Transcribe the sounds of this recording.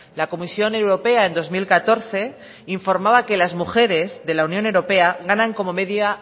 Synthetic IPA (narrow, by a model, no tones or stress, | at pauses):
lako̞misjo̞ne̞wɾo̞pe̞aẽ̞nd̪o̞zmilkat̪o̞ɾθe̞ | iɱfo̞ɾmaβake̞lazmuxe̞ɾe̞zðe̞launjone̞wɾope̞aɣanãŋko̞mo̞me̞ðja